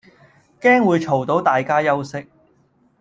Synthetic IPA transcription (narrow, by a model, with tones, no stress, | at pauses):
kɛː˥ŋwuː˨˧jt͡ʃʰo˨˩wt̪o˨˥wt̪aː˨jkaː˥jɐ˥wsɪ˥k̚